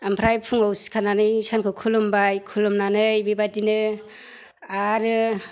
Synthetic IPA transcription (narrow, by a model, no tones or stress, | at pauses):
ampʰɾajpʰuŋawsi̥kʰananɯjsankʰɯkʰulumbajkʰulumnanɯjbibatinɯ | aɾɯ